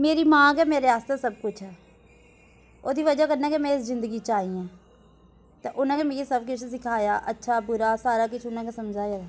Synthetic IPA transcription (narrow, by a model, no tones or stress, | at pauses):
meːɾiːmãːɡɛːmeːɾeaːst̪ɛːsəb̚kʊt͡ʃʰɦɛː | oːd̪iːʋəd͡ʒaːkəɾnaːkemɛ̃ːɪszɪ̃nd̪əɡiːt͡ʃaːiːãː | t̪ẽːʔʊnãːkeːmeːkisəbkɪt͡ʃʰsɪkʰaːjaːʔətːʃʰaːbʊɾaːsaːɾaːkɪt͡ʃʰʊnãːkesəmd͡ʒʱaːjaː